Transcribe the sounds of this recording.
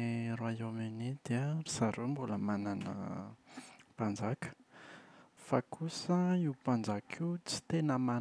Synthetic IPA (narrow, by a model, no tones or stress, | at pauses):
ɾuaomenid̪eərisaɾombuləmananə̰ | pand͡zakə̥ | fakʰusəiwpand͡zakʰiut͡si̥t̪enəma